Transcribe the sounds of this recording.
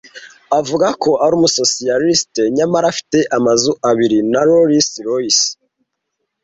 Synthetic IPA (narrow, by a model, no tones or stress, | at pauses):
avuɡakʰo̞ʔaɾuːmuso̞sijalisteɲamaɾafi̥te̞ʔamazuʔaβiɾinaɾoɾisɾois